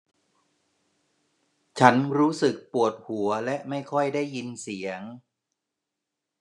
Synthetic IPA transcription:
t͡ɕʰa˦˥nɾuː˦˥sɯ˨˩k̚pu˨˩ət̪̚hu˩˦ɐlɛ˦˥ʔma˥˩jkʰɔ˥˩jdaː˥˩jːi˧nsi˩˦əŋ

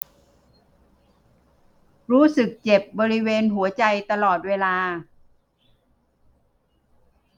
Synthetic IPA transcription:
ɾuː˦˥sɯ˨˩k̚t͡ɕe˨˩p̚bɔː˧ɾi˦˥weː˧nɦu˨˩˦ɐt͡ɕa˧jt̪a˧lɔː˨˩t̪̚weː˧laː˧

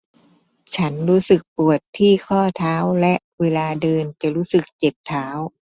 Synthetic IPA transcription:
t͡ɕʰa˦˥nɾuː˦˥sɯ˨˩k̚pu˨˩ət̪ʰːiː˥˩kʰɔː˥˩t̪ʰaː˦˥wlɛ˦˥ʔweː˧laː˧dɤː˧nt͡ɕa˨˩ɾuː˦˥sɯ˨˩k̚t͡ɕe˨˩p̚t̪ʰaː˦˥w

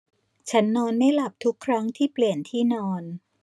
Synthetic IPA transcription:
t͡ɕʰa˦˥nːɔː˧nːa˥˩jla˨˩p̚t̪ʰu˦˥kʰːɾa˦˥ŋt̪ʰiː˥˩pli˨˩ənt̪ʰiː˥˩nɔː˧n

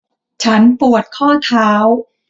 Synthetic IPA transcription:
t͡ɕʰa˦˥npu˨˩ət̪̚kʰɔː˥˩t̪ʰaː˦˥w

